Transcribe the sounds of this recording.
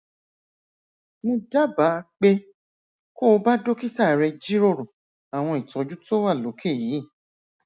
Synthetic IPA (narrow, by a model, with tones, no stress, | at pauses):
mõ˧da˦ba˨˦˧k͡pe˧ | ko˦˧ba˦do˦ki˦ta˦˨ɾɛ˧d͡ʒi˦ɾo˦˨ɾo˨ | a˨w̃ɔ̃˧i˨tɔ˨˦d͡ʒu˦to˦wa˦˨lo˨˦kʰe˦˨jiː˨˦˨